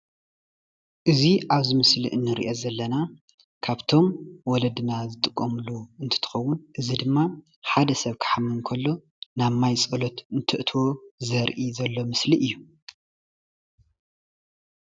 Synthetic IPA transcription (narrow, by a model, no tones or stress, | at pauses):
ʔɨziʔaβzɨmɨslḭʔɨnːɨɾiʔo̞zɐlːɐna | kʰaβt̪ʰo̞mwɔlɐd̪ɨnazɨt̪ʼɨkʼːɐmɨluɨnt̪ʰɨ̥t̪ʰɨ̥xɐwːʊnʔɨzid̪ɨmːa | ħad̪ɐsɐβkʰɨ̥ħamːɨnkʰɐlːo̞ | naβmajt͡sʼɐlot̪ɨnt̪ʰɨʔt̪ʰwo̞zɐɾʔizɐlːo̞mɨsliʔɨjːu